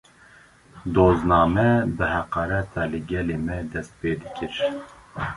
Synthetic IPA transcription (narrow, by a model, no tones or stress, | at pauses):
d̪oːznɑːmɛbɨhɛqɑːɾɛt̪ʰɑːlɨɡʲɛleːmɛd̪ɛst̪̚peːd̪ɨkʰʲɨɾ